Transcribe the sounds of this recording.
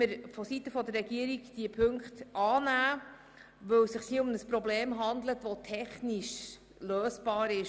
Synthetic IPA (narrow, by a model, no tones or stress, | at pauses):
əɾfɔsitəfɔd̪ərːɛɡiəɾiɡd̥iəpʰɵŋkχt̪ʔɑːnæː | ʋɵwsɪχsiʊmnəspɾɔbleːmɦɑnd̪lət̪ʋɔtʰɛχniʃ | løːsb̥ɑːɾɪʃ